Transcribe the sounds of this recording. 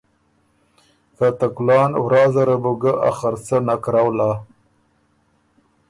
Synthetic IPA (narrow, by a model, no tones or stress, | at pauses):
kat̪aklɑːnwɾɑːzaɾabuɡaʔa̰xaɾt͡sanakɾawlaː